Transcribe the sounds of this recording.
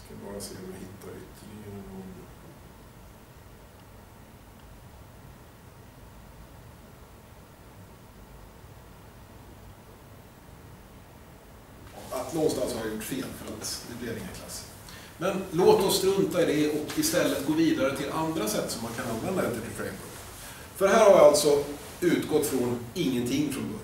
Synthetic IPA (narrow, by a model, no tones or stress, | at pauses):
kʰanbɑːɾasḛːɔɪhɪt̪ʰːaɾɪ̰t̪ʰɪunɔn | at̪lɔnst̪alsɔhaɾjʊʈːfeːlfœɾat̪d̪ɛbleːɾɪŋːə̰nkʰla̰sː | mɛnloːt̪ɔsːt̪ɾɵnt̪aɪd̪ɛɔkɪst̪ɛlːət̪ɡoːviːd̪aɾət̪ʰɪlʔand̪ɾasɛt̪ːsɔmːankʰananvɛnd̪aɛt̪ːəʈɪpʰɾɛ̰mkɔ̰pː | fœɖɛɦæːɾhaɾvɪalt̪sɔ | ʉ̟ːt̪ɡɔt̪ːfɾɔnɪŋːənt̪ʰɪŋːfɾɔmd̪ɵ